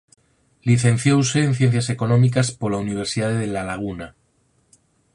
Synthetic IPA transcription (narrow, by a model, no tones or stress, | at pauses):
liθẽ̞nθjowseːnθje̞n̟θjase̞ko̞nomik̬aspolauniβ̞e̞ɾsiðaðeðelalaɣ̞una